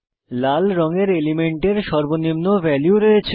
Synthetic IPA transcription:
lalɾɔŋeɾelimeɳʈeɾʃɔɾbonimnovɛljuɾoet͡ɕʰ

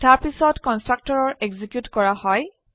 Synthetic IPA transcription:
taɹpisɔtkɔnstɹak̚tɔɹɔɹʔeɡzikjutkɔɹahɔj

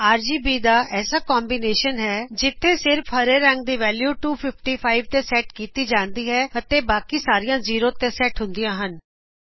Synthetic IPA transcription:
aːɾd͡ʒiːbiːd̪aːʔɛːsaːkɔːmbineːʃənɦɛːd͡ʒɪt̪ʰːeːsɪɾpʰəɾeːɾɛ̃ŋɡ̚d̪iːʋɛːljuːʈuːpʰɪpʰʈiːpʰaːiʋt̪eːsɛːʈkiːt̪iːd͡ʒãːnd̪iːɦɛːət̪eːbaːkiːsaːɾɪjãːziːɾoːt̪eːsɛːʈɦʊ̃nd̪ijãːɦən

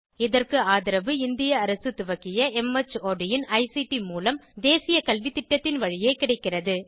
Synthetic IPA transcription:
ɪðɐrkɯaːðɪɾɐʋɯɪnd̪ɪjɐːɾɐsɯt̪ʊʋɐkɪjɐɛmɐt͡ʃːoːɖɪjɪnɐɪsiʈimuːlɐmd̪eːsɪjɐkɐlʋit̪ːɪʈːɐt̪ːɪnʋɐɻɪjeɪkɪɽɐɪkːɪrɐðɯ

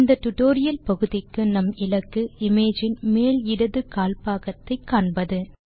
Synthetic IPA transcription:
nd̪ɐʈʊʈoːɾɪjɐlpɐɣɯðɪkːɯnɐmɪlɐkːɯɪmeːd͡ʒɪnmeːlɪɽɐðɯkaːlpaːɣɐt̪ːɐɪkːaːɳbɐðɯ

